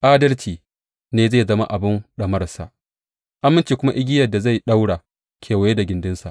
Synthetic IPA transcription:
ʔaː˦dɐ˦rt͡ʃiː˨ | neː˦zeː˦˨zɐ˦ma̰˦ʔa˨bɪ˦nɗɐ˨mɐ˦rsa̰˨ʔ | ʔa˦mːɪ˦nt͡ʃiː˨kʷʊ˦ma˦ʔɪ˦ɡʲɪ˦jɐ˨da˨za˦˨jɗa˦wɽaː˨ | kʰʲeː˨wa˨je˦da˨ɡʲɪ˨ndɪ˦nsa˨ʔ

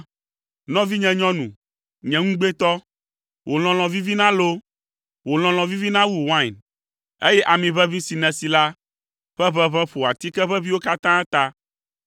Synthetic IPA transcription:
nɔ̃˦vi˦ɲɛ̃˨ɲɔ̃˦nũ˨ | ɲɛ̃˨ŋũ˦ɡ͡be˦t̪ɔ˦ | wʔo˨l̃ɔ̃˨l̃ɔ̃˨vi˦vi˦nã˦lo˦ | wo˨l̃ɔ̃˨l̃ɔ̃˨vi˦vi˦nã˦wu˨wã˦˨n | e˦jɛ˦ʔa˨mĩ˨βɛ˦vĩ˦si˨nɛ̃˨si˨la˦ | ɸɛ˦βɛ̃˦βɛ̃˦ɸo˨a˨t̪i˦kɛ˦ɸɛ˦βi˦wo˦ka˦t̪ã˦t̪a˦

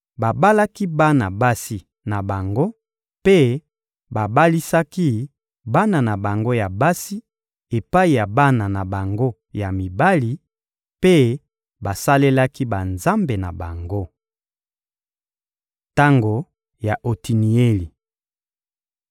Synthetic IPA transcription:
ba˨ba˦la˦ki˦ba˦na̰˨ba˦si˨ | na˨ba˨ŋɡo˦ | pe˦ | ba˨ba˦li˦sa˦ki˦ | ba˦na˨na˨ba˨ŋɡo˦ja˨ba˦si˦ | e˨pa˦i˨ja˨ba˦na˨na˨ba˨ŋɡo˦ | ja˨mi˨ba˦li˨ | pe˦ | ba˨sa˦le˦la˦ki˦ba˨nza˦mbe˨na̰˨ba˨ŋɡo˦ | ta˦ŋɡo˨ | ja˨ʔo˨ti˨ni˨e˦li˨

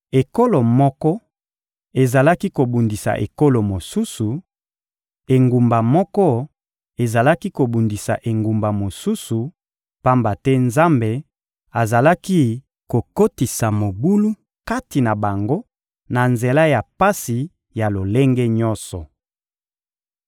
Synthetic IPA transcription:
e˨ko˦lo˨mɔ˦kɔ˦ | e˨za˨la˦ki˦ko˨bu˨ndi˨sa̰˨ʔḛ˨ko˦lo˨mo˨su˦su˨ | e˨ŋɡu˨mba˨mɔ˦kɔ˦ | e˨za˨la˦ki˦ko˨bu˨ndi˨sa̰˨ʔe˨ŋɡu˨mba˨mo˨su˦su˨ | pa˦mba˨tɛ˦nza˦mbe˨ | a˨za˨la˦ki˦ | ko˨ko˦ti˨sa˨mo˨bu˦lu˦ | ka˦ti˨na˨ba˨ŋɡo˦ | na˨nze˨la˦ja˨pa˦si˨ | ja˨lo˨le˦ŋɡe˦ɲɔ˦nsɔ˨

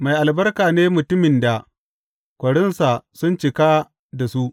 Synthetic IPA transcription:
ma˨jʔa˨lbɐ˦rkaː˨neː˦mʊ˨tʊ˦mɪ˨nda˨ | kʷɐ˨ɽɪ˦nsa˨sʊ˦nt͡ʃɪ˨ka˦ | da˨su˦ʔ

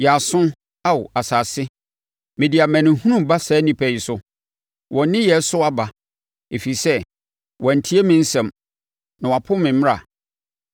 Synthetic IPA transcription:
jɛ˨a˨sʊ̃˦ | a˦wa˨saː˨sɪ˦ | mɪ̃˨di˨a˨mæ̃˨nɪ̃˨hũ˦nũ˦mba˦sɛː˨˦nĩ˨pʰæ˨i˨sʊ˦ | wʔɔ̃˨˦nɪ̃˦jɛ˨˦sʊ˦a˦ba˨ | e˨fi˨sɛ˦ | wɔ̃˨n̩˨tʰi˦e˦mɪ̃˦n̩˦sɛ̃˨m | nã˨wpʰʊ̃˦mɪ̃˨m̃˦ɾa̰˨

